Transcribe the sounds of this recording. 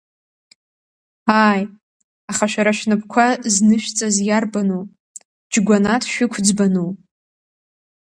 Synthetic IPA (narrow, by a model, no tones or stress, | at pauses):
aj | aχaʃᶣaɾaʃᶣnɨpʰʼkʷʰaznɨʃᶣt͡sʼazjarbanu | d͡ʒɡʷanatʰʃᶣʊkʷʰd͡zbanu